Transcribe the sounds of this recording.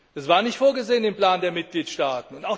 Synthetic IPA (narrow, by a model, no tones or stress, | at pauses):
d̥asv̥aːɐnɪçtfoːɐɡəzeːənɪmplaːndeːɐmɪt̚ɡ̥liːtʃtaːtn̩ʊntaʊx